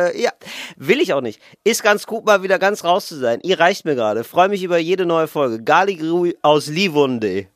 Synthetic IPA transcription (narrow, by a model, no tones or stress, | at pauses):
jaːvɪlɪçaʊχnɪçt | ʔɪstɡ̥ant͡sɡ̥uːtmaːlviːdɐɡant͡sʁaʊst͡suzaɪnʔiːɐʁaɪçtmiːɐɡəʁaːɾəfʁ̥ɔʏəmɪç̬ʔyːbɐjeːdənɔʏəfɔlɡəɡaliɡʁuʔaʊslivɔndeː